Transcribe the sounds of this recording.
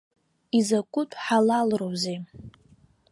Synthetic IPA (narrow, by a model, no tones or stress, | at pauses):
izakʷʼʊtʷʼħalalrowze